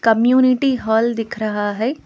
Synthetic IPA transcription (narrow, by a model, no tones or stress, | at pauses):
kɐmjuːnɪʈiɦɔːld̪ɪkʰɾɐɦaɦɛː